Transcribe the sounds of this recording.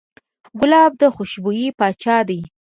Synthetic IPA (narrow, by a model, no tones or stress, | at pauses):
ɡʊlɑb̚d̪əxʊʃbujipɑt͡ʃɑd̪aj